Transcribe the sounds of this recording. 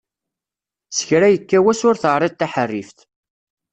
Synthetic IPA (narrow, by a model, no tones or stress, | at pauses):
sə̥çɾæjəkːæwæsʊɾθəʁrˤɪðt̪ːæħərːifθ